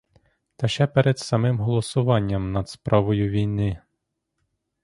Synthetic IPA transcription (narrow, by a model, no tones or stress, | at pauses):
t̪ɐʃɛpɛɾed̪sɐmɪmɦɔlˠɔsʊʋɑnʲːɐmnɐd̪spɾʔɑʋɔjʊʋʲijnɪ